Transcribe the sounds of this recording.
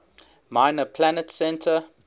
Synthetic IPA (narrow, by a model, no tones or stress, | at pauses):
maɪnəpʰlænətsɛ̃ntʰə